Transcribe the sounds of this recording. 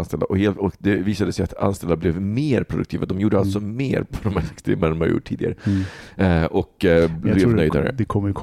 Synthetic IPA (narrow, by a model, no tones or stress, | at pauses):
nst̪ɛla̰ʔɔheːlt̪ɔkd̪ɛviːsad̪əsɛjat̪a̰nst̪ɛlːaɾblɛvmeːɾpʰɾʊd̪ɵkt̪iːvad̪ɔmjuːɖːəalt̪sɔmeːɾpʰɔd̪ɔmhæːɛkst̪ɾḛːməɾnmhaɾjṵːʈʰːiːd̪ɪɡa̰ɾə | ʔɔklɛvnœjd̪a̰ɾə̰d̪ɛkʰɔmːəjkʰ